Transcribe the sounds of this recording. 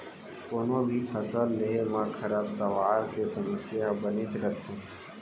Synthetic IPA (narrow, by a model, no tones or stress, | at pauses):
koːnõbʱipʰɐsəlːeɦemãkʰɐɾab̚t̪ɐʋaːɾkesəməsjabənisəkət̪ɦũː